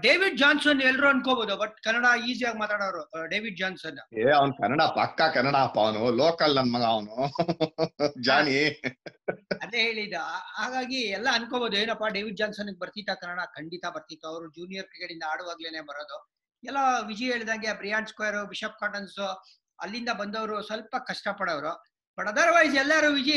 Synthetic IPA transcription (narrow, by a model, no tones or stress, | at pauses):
ɖeːʋiɖ̚d͡ʒaːnsɐnelɾuɐnkoboːd̪ubɐʈkɐnːɐɽaiːzijaːɡmaːt̪aːɽoːɐɾuɖe̞ːʋiɖ̚d͡ʒaːnsɐneːɐʋɐnkɐnːɐɽapɐ̰kːakɐnːɐɽaːpːaʋnuloːkɐlːɐnmɐɡɐːʋnu | d͡ʒaːɳi | ɐd̪e̞ɦe̞ːɭid̪uɦaːɡaːɡiɛlːɐɐnkoboːd̪ue̞ːnɐpːaɖeːʋiɖ̚d͡ʒaːnsɐnukɡ̚bɐɾt̪it̪ːɐkɐnːɐɽakɐɳɖit̪ɐbɐɾt̪it̪ːɐɐʋɾud͡ʒuːnijɐɾkikeɽind̪ɐaːɽuʋaːɡleːne̞ːbɐɾoːd̪u | ɛlːɐʋid͡ʒie̞ːɭid̪aːŋɡebɾijaːɳskojɐɾubiʃeːp̚kaːʈɐnsu | ɐ̰lːind̪ɐbɐnd̪ɐʋɐɾusʋɐlpɐkɐʂʈɐpɐɽɐʋɾu | bɐʈɐd̪ɐɾʋaːjsɛlːaɾoʋid͡ʒi